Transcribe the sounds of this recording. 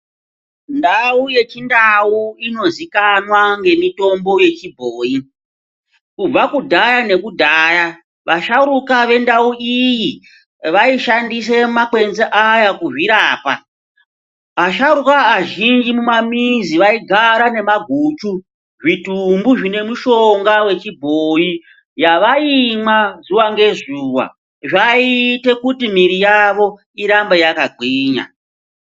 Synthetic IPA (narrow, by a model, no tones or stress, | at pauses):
ndauje̞t͡ʃindauino̞zikanwaŋɡe̞mito̞mbo̞je̞t͡ʃibʱoːi | kub͡vakudʱajane̞kudʱaːja | ʋʔaʃaɾukaʋe̞ndauʔiji | ʋaiʃandis̬e̞makwe̞nzeʔajakuʐiɾaːpa | aʃaɾukaːʒind͡ʒimumamiziʋaiɡʱaɾane̞maɡʱuːt͡ʃu | ʐitumbuʐine̞muʃo̞ŋɡawe̞t͡ʃibʱoji | jaʋaimwazuwaŋɡe̞zuːwa̰ | ʐaite̞kutimiɾijaʋo̞ | iɾambejakaɡʱwiːɲa̰